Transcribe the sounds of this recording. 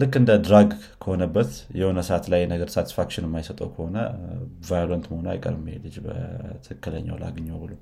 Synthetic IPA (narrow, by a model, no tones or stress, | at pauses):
lɨkːɨnd̪əd̪ɾaɡ | kʰəho̞nəbːət̪jɛhonəsəat̪lajːnəɡəɾsat̪ʰi̥sfakʃɪnɨmːajsət̪ʼəwkʰəho̞nəvajolənt̪məhonua̰jkʼə̰ɾbmːhelɨd͡ʒbə̰t̪ʰɨɨkːɨlə̰ɲːa̰wla̰ɡɨɲːowbɨlow